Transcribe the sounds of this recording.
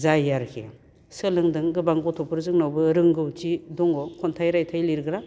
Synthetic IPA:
zajaɾkʰḛ | sɯlɯŋdɯŋɡɯbaŋɡɔtʰɔpʰɯɾzɯŋnawbɯɾɯŋɡɯwtidɔŋɡɔkʰɔntʰajɾajtʰajliɾɡɾa

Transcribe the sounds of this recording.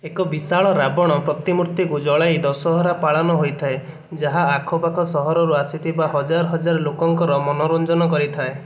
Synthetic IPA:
ekɔbisaɭɔɾabɔɽ̃ɔpɾɔt̪imuɾt̪ikud͡ʒɔɭajd̪ɔsɔɦɔɾapaɭanɔɦojt̪ʰae | d͡ʒaɦaːkʰɔpakʰɔsɔɦɔɾɔɾuasit̪ʰibaɦɔd͡ʒaɾɔɦɔd͡ʒaɾɔlokɔŋkɔɾɔmɔnɔɾond͡ʒɔnɔkɔɾit̪ʰae

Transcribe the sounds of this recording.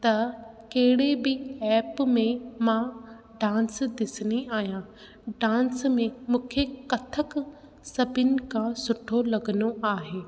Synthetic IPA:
t̪ɐ | kɐɦɪɽebɪɛːpmẽmã | ɖãːnsd̪ɪsɪniaːɦijã | ɖãːnsmẽmũːkʰekɐt̪ʰək | sɐbʱɪnɪ̆kʰãsʊʈʰolɐɡənoʔaːɦeː

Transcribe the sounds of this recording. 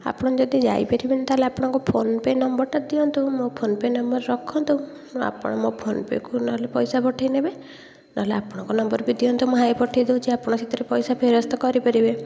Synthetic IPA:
a̰pɔɽ̃ɔd͡ʒɔd̪id͡ʒa̰jpeɾibenet̪aɦleapɔɽ̃ɔŋkupʰonpenɔmbɔɾʈad̪iɔnt̪umopʰonpenɔmbɔɾɾɔkʰɔnt̪ũ | a̰pɔ̰ɽ̃ɔmopʰonpḛkunaɦlepɔjsapɔʈʰajnebe | naɦleapɔɽ̃ɔ̃ŋkɔnɔmbɔɾbid̪iɔnt̪umuɦajpɔʈʰajd̪eũt͡ʃʰiapɔɽ̃ɔit̪ɔɾepɔjsapʰeɾɔst̪ɔkɔɾipaɾibe

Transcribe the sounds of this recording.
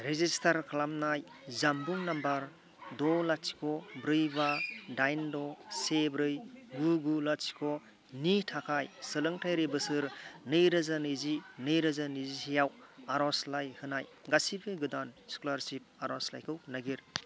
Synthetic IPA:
ɾezistʰaɾkʰlamnaj | zambuŋnambaɾ | dɔlasi̥kʰɔbɾɯjbadajndɔsebɾɯjɡuɡulasi̥kʰɔ | nitʰakʰajsɯlɯŋtʰajɾebɯsɯɾnɯjɾɐzanɯzinɯjɾɐzanizisijawaɾɔslajhɯnajɡasibɯɡɯdanskulaɾsip̚aɾɔsla̰jkʰɯwhnaɡiɾ

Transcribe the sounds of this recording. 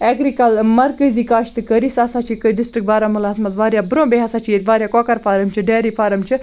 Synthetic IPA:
eːɡɾikɐlmɐɾkəzikaːʃt̪ɨkəɾisaːsat͡ʃʰikəɖɪsʈɾik̚baːɾamulaːsmɐt̪ʋaːɾjaːbɾõːbeɦasaːt͡ʃʰiet̪ʋaːɾjaːkoːkɐɾfʰaːɾɐmt͡ʃʰiɖeːɾifʰaːɾɐmt͡ʃʰɨ

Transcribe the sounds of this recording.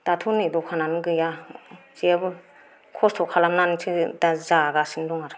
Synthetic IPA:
d̥atʰunidɔkʰananɯɡɯjaz̥iabɯ | kʰɔstʰɔkʰalamnantʰɯdazaɡasindɔŋaɾɯ

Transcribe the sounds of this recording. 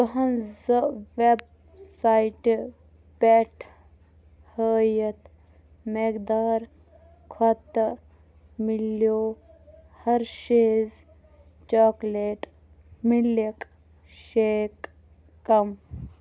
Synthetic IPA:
t̪ɐɦɐnzəʋeb̚ | sajʈ | pɛʈʰ | həːjɐt̪ | mekd̪aːɾ | kʰɔt̪ː | miljoː | hɐɾʃeːz | t͡ʃaːkleːʈ | milek | ʃeːkː | ɐm

